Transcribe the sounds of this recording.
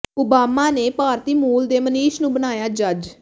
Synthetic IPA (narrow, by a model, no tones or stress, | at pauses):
ʊbaːmaːneːpaːɾt̪iːmuːld̪eːməniːʃnũːbənaːjaːd͡ʒəd͡ʒ